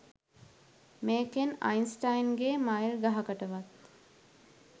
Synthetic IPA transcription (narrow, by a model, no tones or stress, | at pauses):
meːkena̰jnsʈajnɡemajilɡaɦɐkəʈəʋat̪